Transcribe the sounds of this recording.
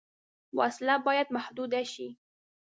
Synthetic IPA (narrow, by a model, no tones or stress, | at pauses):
waʔaslabɑːjad̪maħd̪uːd̪aʃi